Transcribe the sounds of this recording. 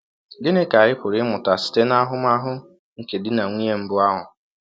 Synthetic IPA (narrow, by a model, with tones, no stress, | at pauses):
ɡɪ˦nɪ˦ka˨ɾɪ˦pʊ˨ɾɪ˦mʊ˨ta˨sɪ̥˨te˦na˦ɦʊ˦m˦a˦ɦʊ˦ | ŋ̩˨ke˨dɪ˦na˨ŋʷi˦e˦m̩˦bʊ˦a˦ɦʊ˨